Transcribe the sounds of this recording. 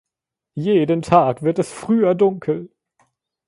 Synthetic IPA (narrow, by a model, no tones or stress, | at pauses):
jeːdəntʰaːkv̥ɪɐtɛsfʁ̥yːɐdʊŋkʰl̩